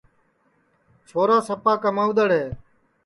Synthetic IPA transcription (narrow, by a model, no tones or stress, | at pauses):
t͡ʃʰoːɾaːsəpaːkəmaːʊd̪əɽɦeː